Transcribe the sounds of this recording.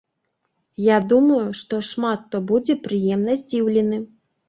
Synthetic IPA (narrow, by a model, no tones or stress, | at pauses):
jad̪umɐjuʂt̪ɔʂmat̪ːɔbud͡zʲɛpɾɨjɛmnɐzʲd͡zʲiwlʲɛnɨ